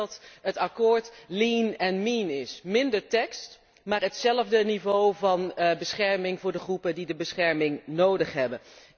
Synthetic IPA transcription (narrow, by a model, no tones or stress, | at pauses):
ɑtɦətɑkʊːɹtlinɛnminɪsmɪndəɹtɛkst | maːɹɦətsɛləvdənivowvɑnbəsχɛɹmɪŋvʊːɹdəχrupədidəbəsχɛɹmɪŋnowdəχɦɛbən